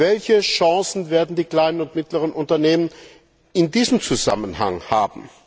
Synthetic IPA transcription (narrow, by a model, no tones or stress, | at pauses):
vɛlçəʃɑ̃ːsn̩veːɐdn̩diːkl̥aɪnənʊntmɪtləʁənʔʊntɐneːmən | ɪndiːzəm̩t͡suza̰mənha̰ŋhaːbm̩